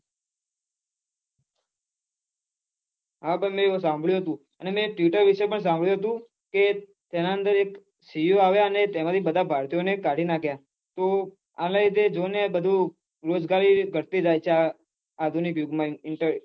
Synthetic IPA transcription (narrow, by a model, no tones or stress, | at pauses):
ɦabənmẽsãmbʱɭjũɦət̪ũ | ənemẽʈjuʈəɾʋiʃepəɳs̬ãmbʱɭjũɦət̪̬ũ | ke | t̪enaə̃nd̪əɾek | sijoaʋjaənet̪emat̪ʰibəd̪ʱabʱaɾt̪ijonekaɽʱinakʰja | t̪o | a̰laid̪ed͡ʒonebəd̪ʱũ | ɾod͡ʒɡaɾiɡʱəɾt̪id͡ʒajt͡ʃʰeaː | d̪ʱunikjʊɡmãɪɳʈəɾ